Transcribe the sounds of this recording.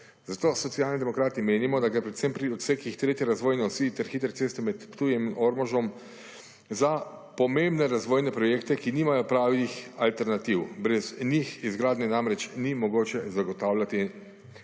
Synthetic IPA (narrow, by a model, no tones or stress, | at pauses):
zat̪oːsɔt̪siaːlnid̪ɛmɔkɾaːt̪imeːnimɔd̪aɡɾepɾɛt̪sɛmpɾiɔt̪seːkixt̪ɾeːt̪jɛɾazʋoːjnɛɔsiːt̪ɛɾxiːt̪ɾt̪seːst̪ɛmɛt̪pt̪uːjɛminʔɔɾmɔʒɔm | za | pɔmembnɛɾazʋoːjnɛpɾɔjeːkt̪ɛkiniːmajɔpɾaːʋixalt̪ɛɾnat̪iwbɾɛznixizɡɾaːd̪nɛnamɾɛt͡ʃnimɔɡoːt͡ʃɛzaɡɔt̪aːwlʲat̪i